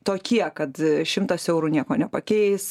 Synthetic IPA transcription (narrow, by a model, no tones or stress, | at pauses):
t̪oːkʲiɛkɐt̪ʃʲɪmt̪ɐsɛʊɾuːnʲiɛkoːnʲɛpɐkʲɛɪs